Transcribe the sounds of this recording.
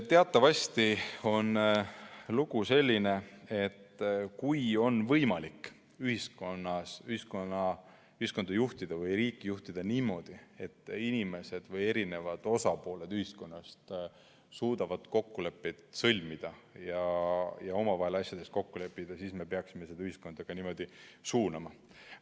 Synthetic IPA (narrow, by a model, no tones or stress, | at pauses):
t̪eɑt̪ːˑɑvɑsʲt̪io̞n | luɡ̥use̞lʲːine̞e̞t̪ːkujo̞nvɤjmɑlikː | yhisko̞nːɑsyhiskonɑ | yhisko̞nd̪ɑjuht̪id̪̥ɑvɤjɾiːkˑːijuht̪id̪̥ɑniːmo̞ːd̪̥ie̞t̪ːˑinime̞se̞d̪̥vɤje̞ɾine̞vɑd̪̥o̞sɑpo̞ːle̞d̪̥yhisko̞nːɑst̪ | suːd̪̥ɑvɑd̪̥ko̞kːule̞pːe̞jd̪̥sɤlʲmid̪̥ɑjɑjɑo̞mɑvɑɦe̞lɑsʲjɑd̪̥e̞st̪ko̞kːule̞pːˑid̪̥ɑsiːsme̞pe̞ɑksimesed̪ɑyhisko̞nd̪̥ɑɡ̥ɑniːmo̞d̪isuːnɑmɑ